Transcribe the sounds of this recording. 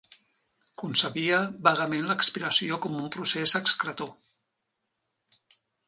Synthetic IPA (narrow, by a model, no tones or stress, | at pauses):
kunsəβiəβaɣəmenləkspiɾəsiokɔmumpɾusezəkskɾət̪o